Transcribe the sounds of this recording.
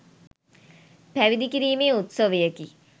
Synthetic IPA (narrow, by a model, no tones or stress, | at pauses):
pæʋid̪ikiɾiːmeːut̪soʋəjəki